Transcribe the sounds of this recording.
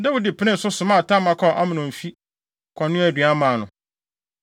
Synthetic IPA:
dɛ˦wʊ˦dɪ˨pʰɪ˦nɪ̃˦n̩˨sʊ˦sʊ˨mã˦˨tʰã˦mã˦kʰɔ˦˨ʔa˦mɪ̃˨nʊ̃˨m̩˨fi˦ | kʰɔ̃˨nːʊ̃˦æ˨dɥa˦mãː˨nʊ̃˨

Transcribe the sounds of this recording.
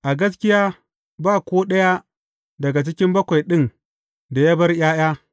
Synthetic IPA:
ʔa˨ɡɐ˦s̬kʲɪ˦jaː˦ | baː˦˨kʷoː˦ɗɐ˦ja˦ | dɐ˨ɡa˨t͡ʃɪ˦kʲɪ˦mbɐ˦kʷa˨jɗɪ˦n | da˨ja˦bɐ˦rjaː˦jaː˦

